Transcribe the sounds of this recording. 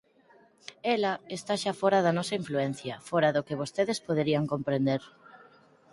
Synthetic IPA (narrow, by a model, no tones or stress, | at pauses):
elɐest̪aʃafɔɾɐðɐnɔsɐiɱfluɛn̟θjɐfɔɾɐðʊkeβ̞ost̪eðespoðeɾiɐŋkompɾend̪eɾ